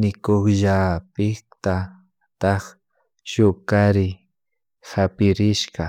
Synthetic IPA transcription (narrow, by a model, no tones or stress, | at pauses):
nɪkoχʒapɪkt̪a | t̪ɑχ | ʃʊkaɾɪ | hapɪɾɪʃqɑ